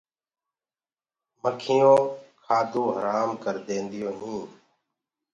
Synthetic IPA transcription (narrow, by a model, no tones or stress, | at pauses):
məkʰɪjõːkʰaːd̪ũːɦəɾaːmkəɾd̪ẽːnd̪ɪjoːɦĩː